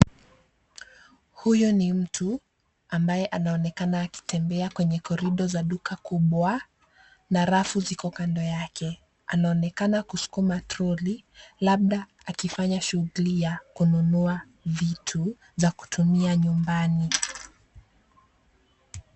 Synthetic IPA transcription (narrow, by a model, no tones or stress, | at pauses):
hujɔnim̩tʰu | ambajɛʔanaɔnɛkanaːki̥tʰɛmbɛakwɛɲɛkɔɾiɗɔzaɗukakuɓwa | naɾafuzikɔkandɔjakɛ | anaɔnɛkanakusu̥kumatɾɔlilaɓ̚ɗaːkifaɲaʃuɣulijakununua | vitʰu | zaku̥tʰumiaɲumbani